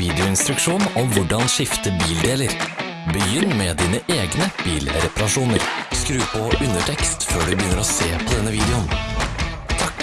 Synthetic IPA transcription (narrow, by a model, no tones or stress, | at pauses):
iːd̪ɪʊɪnst̪ɾʉkʃuːnɔmʋʊɖɑnʃɪft̪əbiːld̪eːləɾ | bəjʏnːmɛːd̪iːnəʔeːɡnəb̥iːlɾɛpɑɾɑʂuːnəɾskɾʉːpʰɔʔʉnəʈʰɛkst̪føːɖʉbəjʏnəɾoːseːpʰɔd̪ɛnːəʋiːd̪ɛʊn | t̪ʰɑk